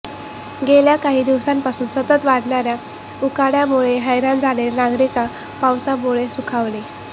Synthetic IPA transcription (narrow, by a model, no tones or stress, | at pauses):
ɡeljakaɦiːd̪iʋsampasuːnsət̪ət̪ʋaɽ̤ɳaɾja | ukaɽjamuɭeɦəjɾãnd͡zʱaɽeɾnaɡɾika | pawsamuɭesukʰaʋle